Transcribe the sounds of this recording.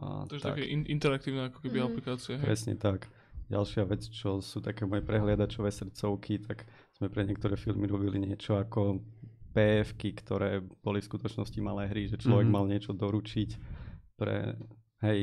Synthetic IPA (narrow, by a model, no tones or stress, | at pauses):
a̰t̪ʒa̰kɛʔiʔint̪ɛɾak̚t̪iːʊnɛakɔ̥kɛbiaplikaːt͡siɛpɾɛsɲɛ̰t̪ak | ɟa̰lʃɪaʋɛt͡st͡ʃɔsuːt̪akɛːmɔjɛpɾɛɦlɪad̪at͡ʃɔʋɛːsr̩t̪t͡sɔʊkʰit̪ak | z̥mɛpɾɛɲɪɛkt̪ɔɾɛːfilmiɾɔbiliɲɪɛt͡ʃɔakɔpɛːfkikt̪ɔɾɛːb̥ɔlifskut̪ɔt͡ʃnɔscimalɛːɦɾiʒɛt͡ʃlɔʋɛɡmalɲɪɛt͡ʃɔd̪ɔɾut͡ʃicpɾɛ̰ | ɦɛj